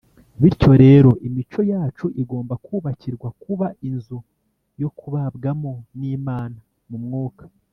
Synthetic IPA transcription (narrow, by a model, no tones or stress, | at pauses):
βiɾco̞ɾe̞ːɾo̞ʔimit͡ʃo̞jaːt͡ʃuʔiɡo̞ːmbakʰuːβaciɾɡwakuβainzu | jo̞kʰuβabɡamo̞niːmaːna | mumŋuːkḁ